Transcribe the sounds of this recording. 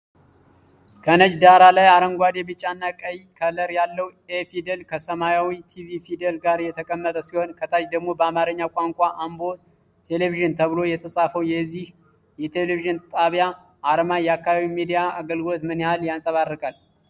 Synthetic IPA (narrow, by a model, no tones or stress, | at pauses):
kʰənəd͡ʒd̪aɾalajaɾəŋɡʷad̪jɛbɨt͡ʃʼːanːakʼəjikʰələɾjalːəwefid̪elkʰəsəmajawit̪ʰivifid̪elɡaɾjɛt̪ʰəkʼəmːət̪ʼəsiho̞nkʰət̪ʰad͡ʒd̪əɡmo̞bəamaɾəɲːakʷʼaŋkʷʼaʔambo̞ | t̪ʰe̞le̞viʒɨnt̪ʰəβɨlo̞jɛt̪ʰəsʼafəwjɛzːih | jɛt̪ʰe̞leviʒɨnt̪ʼaβja | ʔaɾəmajɛakːaβaβimid̪ijaaɡəlɡɨlo̞t̪mɨnihaljansʼəβarːəkʼal